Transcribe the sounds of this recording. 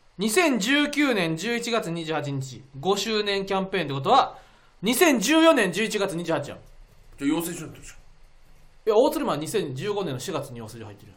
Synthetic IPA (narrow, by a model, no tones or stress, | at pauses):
ɲ̟isẽ̞ɲ̟d͡ʑɨːkʲɨːnẽ̞ɲ̟d͡ʑɨːit͡ɕiɡat͡sɨɲ̟iʑɨːhat͡ɕiɲ̟it͡ɕiɡo̞ɕɨːnẽ̞ŋkʲãmpẽ̞ːnt̪ek̬ot̪o̞βa | ɲ̟isẽ̞ɲ̟d͡ʑɨːjõ̞nẽɲ̟d͡ʑɨːit͡ɕiɡat͡sɨɲ̟iʑɨːhat͡ɕijã̰d͡ʑajoːseːɕot̪oo̥ | eao̞ːt͡sɨɾɯ̟maɲisẽ̞ɲd͡ʑɨːɡo̞nẽnːoɕiɡat͡sɨɲ̟ijo̞ːseoɦait̪ːeɾɯ̟